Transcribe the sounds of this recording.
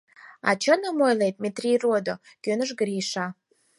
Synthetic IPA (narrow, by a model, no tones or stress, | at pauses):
ɑ̰t͡ɕənəmojlejd̪̚mʲet̪rʲijrod̪o | kønə̆ʒ̬ɡəɾiʃɑ